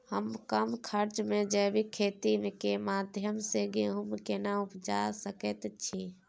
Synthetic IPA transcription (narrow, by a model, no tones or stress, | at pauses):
həmkəmkʰəɾt͡ʃmẽd͡ʒɛbʱikʰet̪imekemad̪ʱjəmseɡeɦumkenaupd͡ʒasəkɛt̪t͡ʃʰi